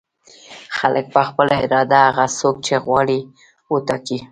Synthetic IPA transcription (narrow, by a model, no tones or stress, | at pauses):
xalək̚pəxpəlaɪɾɑd̪aaɣasok̚t͡ʃeɣwɑɽi | ut̪aki